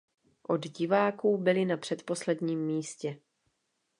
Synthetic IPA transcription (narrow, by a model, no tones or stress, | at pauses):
ʔo̞d̪ɟɪvaːkuːbɪlɪnapr̥ɛt̪po̞slɛdɲiːmːiːscɛ